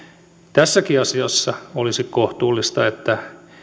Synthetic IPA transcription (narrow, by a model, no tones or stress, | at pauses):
t̪æsːækiɑsiɑsːɑolisikkoht̪uːlːist̪ɑet̪ːæ